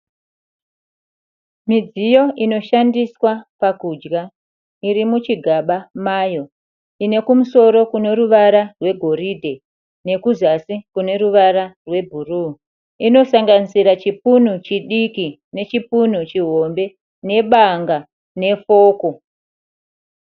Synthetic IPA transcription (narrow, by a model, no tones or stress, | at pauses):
mid͡zijo̞ʔino̞ʃandiswapakud͡ʒɡa | iɾimut͡ʃiɡʱaɓamaːjo̞ | ine̞kumuso̞ɾo̞kune̞ɾuʋaɾarwe̞ɡʱo̞ɾidʱe̞ | ne̞kuzasikune̞ɾuʋaɾarwe̞bʱuru | ino̞saŋɡanisiɾat͡ʃipun̤ut͡ʃiɗiki | ne̞t͡ʃipun̤ut͡ʃiɦo̞mbe̞ | ne̞ɓaŋɡa | ne̞fo̞ːko̞